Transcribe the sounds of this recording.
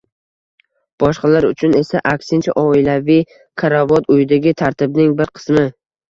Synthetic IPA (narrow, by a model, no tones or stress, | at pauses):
b̥ɒʃqɑlaɾʊt͡ʃʰʊne̞saʔakʲsɪnt͡ʃʰa̰ʔɒɪlavij | kʰaɾavɒt̪ʊjɪd̪aɡʲɪt̪ʰaɾt̪ʰɪbnɪŋbɪɾqʰɨ̥smɪ